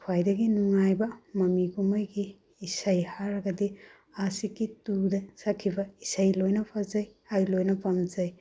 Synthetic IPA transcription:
kʰwajdɐɡinuŋajbɐmɐmiɡumɐjɡiː | sajhaɾɐɡɐdi | asikːitudɐsakʰːibɐisajlojnɐpʰazajajlojnɐpɐmzaj

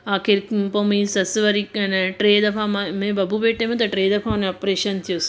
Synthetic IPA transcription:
aːkeɾpomisɐsɨʋɐɾikɐnɐʈɾeːd̪ɐpʰamɐmebɐbʱubeːʈːemet̪ɐʈɾeːd̪ɐpʰanɐpɾeːʃɐnt̪ʰijos

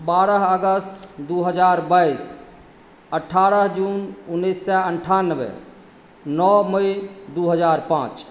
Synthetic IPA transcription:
baːɾəɦəɡəst̪d̪uɦəd͡ʒaːɾbais | əʈʰːaːɾəɦd͡ʒununːisːɛəɳʈʰanːəʋḛ | nɔməid̪uɦəd͡ʒaːɾpã̰ːt͡ʃ

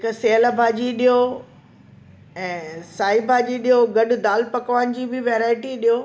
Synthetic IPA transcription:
ɦɪkseɦəlbʱaːd͡ʑiɗijo | ɛ̃ːsaːibʱaːd͡ʑiɗijoɡɐɗʊ̆d̪aːlpɐkʋaːnɪ̆d͡ʑiːbɪʋeːɾaːɪʈiɗijoː

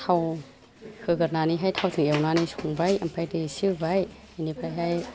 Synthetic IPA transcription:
t̪ʰaw | kʰɯːkɯt̚naːniːɦajt̪ʰawt̪ʰɯŋʔiwnaːniːsʰuŋbajʔa̰mpʰajdɯsɯbajhajniːpʰajɦaj

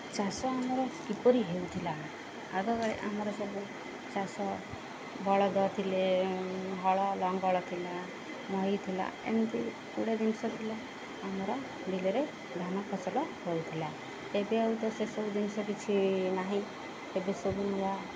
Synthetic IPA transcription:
t͡ʃasɔamɔɾɔkipɔɾiɦeut̪ʰila | aɡɔkajʔa̰mɔɾɔsɔbu | t͡ʃasɔ | bɔɭɔd̪ɔt̪ʰile | ɦɔɭɔlɔŋɡɔɭɔt̪ʰila | mɔɦit̪ʰila̰ḛnt̪i | ṵɽed̪insɔt̪ʰila | amɔɾɔ | d̪ileɾe | d̪ʱanɔkʰɔt͡sɔlɔɦɔut̪ʰila | ebeaut̪ɔsesɔbud̪insɔpit͡ʃʰinaɦĩ | tebesɔbuniwa

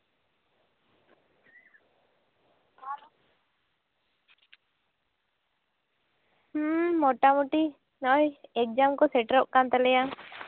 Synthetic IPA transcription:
hmɔʈamuʈi | nɔʔɔjɛk̚d͡ʒamkɔsɛʈɾɔʔ̚kant̪ɛlɛja

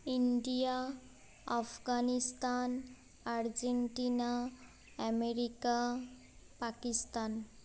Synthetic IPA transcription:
iɳɖija | apʰɡanist̪an | aɾd͡zeɳʈina | ameɾika | pakist̪an

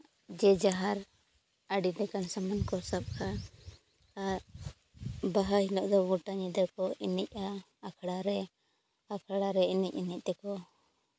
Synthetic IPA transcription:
d͡ʒɛd͡ʒaɦaɾ | aɖid̪ɛkansamankɔsab̚kʰa | baɦaɦilɔʔd̪ɔɡuʈaɲɛd̪ɛkɔinɛc̚a | akʰɽaɾɛ | akʰaɽaɾɛinɛc̚ˀinɛc̚ˀt̪ɛkɔ

